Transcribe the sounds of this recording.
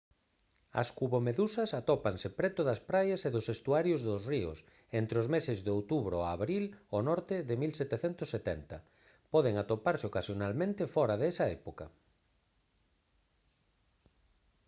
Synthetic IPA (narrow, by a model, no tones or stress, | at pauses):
ɐ̰skuβomeðusɐsat̪ɔpansepɾɛt̪ʊðɐspɾajaseðʊsest̪uaɾjʊzðʊsriʊ̰s | ent̪ɾeozmesɪzðowt̪uβɾoaːβɾilonɔɾt̪ɪðɪmilsɛt̪eθent̪ʊsːet̪ɛnt̪ɐ̰ | pɔðeŋat̪opaɾsɪokasjonalmẽnt̪ɪfɔɾaðɛsaɛpokɐ̰